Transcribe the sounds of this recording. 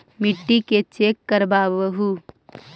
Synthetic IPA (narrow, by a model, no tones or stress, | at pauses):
mɪʈːiket͡ʃeːkːəɾbaːbəɦu